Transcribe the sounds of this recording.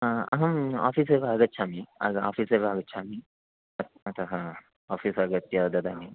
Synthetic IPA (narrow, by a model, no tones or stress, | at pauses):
aɐɦɐma̰ːfiːseːʋaːɡɐtːt͡ʃʰaːmiɐ̰ɡa̰ːfiːseʋaːɡɐt͡ʃʰaːmi | ɐt̪ | ɐt̪ʰɐɦɐ | aːfiːsɐɡɐt̪jad̪ɐd̪aːni